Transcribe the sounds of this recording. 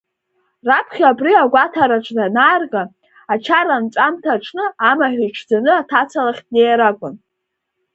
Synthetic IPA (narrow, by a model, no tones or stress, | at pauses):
rapʰχʲabʼriaɡʷatʰaɾaʈ͡ʂʼnanaːrɡa | at͡ʃʰaɾanʈ͡ʂʷʼamtʰaʈ͡ʂʰnɨamaħʲʷᶣiʈ͡ʂʰd͡zanɨatʰat͡sʰalaχʲtnejaɾakʷʼʊn